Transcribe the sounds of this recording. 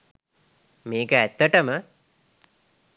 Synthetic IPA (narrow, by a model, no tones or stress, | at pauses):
meːkəæt̪ːəʈəmə